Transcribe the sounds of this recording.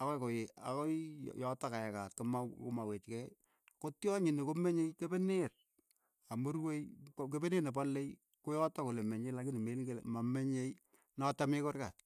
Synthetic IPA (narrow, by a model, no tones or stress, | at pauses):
akɔkojea̰kɔjj̰jɔtakajakatkomakomawet͡ʃkɛ | kotjɔɲɪnikomeɲejkebener | amoɾwejk̬ebeneːnepɔlːej | kojɔtakolemeɲelakɪnimelŋɡelmameɲej | nɔtamɪkorkat̚